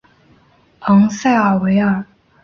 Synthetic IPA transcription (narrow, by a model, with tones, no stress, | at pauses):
ɑ˧˥ŋsa˥˩ɪə˨˩we˧˥ɪə˨˩